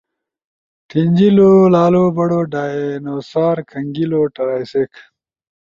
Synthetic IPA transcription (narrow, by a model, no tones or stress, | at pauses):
t̪ʰind͡ʑilolaːlobɐɽoɖaːnosaːɾkʰəŋɡiloːʈɐɾaːjsek